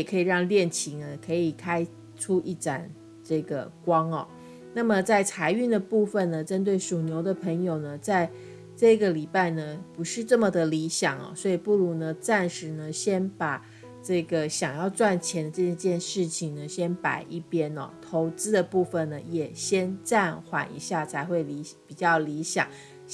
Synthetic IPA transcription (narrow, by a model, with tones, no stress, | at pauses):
jɛ˨˩kʰɤ˧˥i˨˩ɻɑ˥˧ŋljɛ˥˩nt͡ɕʰi˧˥ŋə˧kʰɤ˧˥i˨˩kʰa˥ɪ | ʈ͡ʂʰu˥ʔi˥˩ʈ͡ʂa̰˨˩n | ʈ͡ʂɤ˥˩ɡə̰˩kwɑ˥ŋɔ̰˨˩ | na˥˩mə˨t͡sa˥˩ɪt͡sʰa˧˥ɪy˥˩nd̪ə˩pu˥˩fə˨˩nnə˩ʈ͡ʂə˦˥nt̪̬we˥˩ɪʂu˨˩njo˧˥ʊd̪ə˨pʰə˧˥ŋjo˨˩ʊnə˩t͡sa˥˧ɪ | ʈ͡ʂɤ˥˩˥ɡə˩li˨˩pa˥˩ɪnə˩pu˧˥ʂɻ̩˥˧ʈ͡ʂɤ˥˩mə˨d̪ə˩li˧˥ɕjɑ˨˩ŋɔ̰˨˦swɔ˧˥i˨˩pu˥˩lu˧˥nə˧t͡sa˥˩nʂɻ̩˧˥nə˧ɕjɛ˥npa˨˩ | ʈ͡ʂɤ˥˩ɡə˩ɕjɑ˨˩ŋjɑ˥˧ʊt͡swa˥˩nt͡ɕʰjɛ˧˥nd̪ə˧ʈ͡ʂə˥˧˥t͡ɕjɛ˥˧nʂɻ̩˥˩t͡ɕʰi˨˩ŋnə˩ɕjɛ˥npa̰˨˩ɪʔi˥˩pjɛ˥nɔ̰˨˩t̪ʰo˧˥ʊt͡sɹ̩˥d̪ə˨pu˥˩fə˨nnə˩jɛ˨˩ɕjɛ˥nʈ͡ʂa˥˩nxwa̰˨˩nḭ˧˥ɕja˥˩t͡sʰa˧˥ɪxwe˥˩ɪli˧˥pi˨˩t͡ɕjɑ˥˩ʊli˧˥ɕjɑ̰˨˩˦ŋ